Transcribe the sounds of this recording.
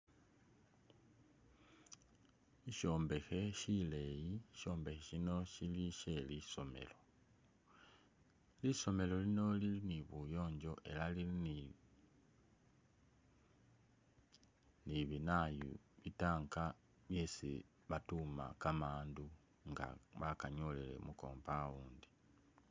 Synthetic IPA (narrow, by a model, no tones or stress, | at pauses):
iʃo̞ːmbe̞xe̞ʃile̞jiʃo̞ːmbe̞xeʃino̞ʃiliʃe̞liso̞me̞̰lo̞ | liso̞me̞lo̞lino̞liliniβujo̞ːɲɟo̞ʔe̞̰lalilini | niβinajṵ | βitaːŋka | βje̞ːsḭ | βatuma̰kamaːndu | ŋɡa̰βakaɲolele̞̰muko̞̰ːmpawuːndi